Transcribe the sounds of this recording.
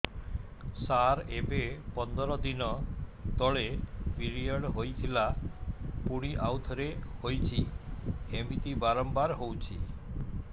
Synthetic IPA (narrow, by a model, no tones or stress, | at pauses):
saɾebepɔnd̪ɔɾɔd̪inɔt̪ɔɭepiɾiɔɽɦojt̪ʰila | puɽ̃iʔawt̪ʰɔɾehojt͡ʃʰi | emit̪ibaɾɔmbaɾɦowt͡ʃʰi